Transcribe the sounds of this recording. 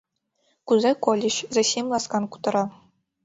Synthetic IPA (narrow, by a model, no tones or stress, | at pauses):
kuzɑkolʲɘ̆ɕzɑsʲimlˠɑskɑnku̥t̪ɤ̆ɾɑ